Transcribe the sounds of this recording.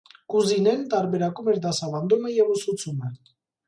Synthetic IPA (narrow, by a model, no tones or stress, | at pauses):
kuzinent̪aɾβeɾakomeɾd̪asaβand̪omajeɣosut͡suman